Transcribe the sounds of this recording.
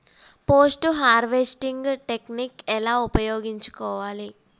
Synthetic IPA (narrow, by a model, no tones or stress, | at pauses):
poːsʈɦaːɾʋesʈiŋɡʈe̞knikɛlaːupɐjoːɡiɲt͡ʃu̥kɔːʋaːli